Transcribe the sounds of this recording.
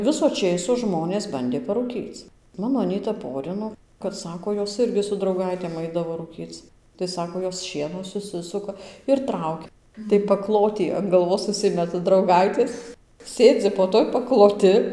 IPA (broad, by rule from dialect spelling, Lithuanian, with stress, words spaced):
ˈʋʲɪsoː ˈt͡ʃʲeːsoː ˈʒmoːnʲeːs ˈbɐnʲdʲeː pɐrʊˈkʲiːt͡s ˈmɑːnoː ɐˈnʲiːtɐ ˈpoːrʲɪnoː kɐt ˈsɑːkoː ˈjoːs ˈɪrʲɡʲɪ sʊ drɐʊˈɡɐɪtʲeːm ˈɐɪdɐʋoː ruːˈkʲiːt͡s tɐɪ ˈsɑːkoː ˈjoːs ˈʃʲiɛnoː sʊˈsʲɪsʊkɐ ɪr ˈtrɐʊkʲɛ tɐɪ pɐˈklˠoːtʲiː ɐn ɡɐlˠˈʋoːs ʊʃʲˈsʲɪmʲɛtɐ drɐʊˈɡɐɪtʲeːs ˈsʲeːd͡zʲɪ poː ˈtuɔj pɐklˠoːˈtʲɪ